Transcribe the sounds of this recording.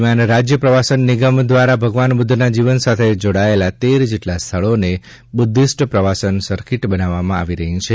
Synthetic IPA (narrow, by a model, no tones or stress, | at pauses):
mjanɾad͡ʒjəpɾəʋasənːiɡəmd̪ʋaɾabʱəɡʋanbud̪ʱːnad͡ʒiʋənsat̪ʰed͡ʒoɽaelat̪eɾd͡ʒeʈlast̪ʰəɭone | bud̪ʱːisʈpɾəʋasənsəɾkiʈbənaʋːamãaʋiɾəɦĩt͡ʃʰe